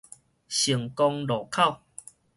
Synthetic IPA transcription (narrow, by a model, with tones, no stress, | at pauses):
ɕi˨˩əŋkɔ˧ŋlɔ˨˩kʰa˥˧˨w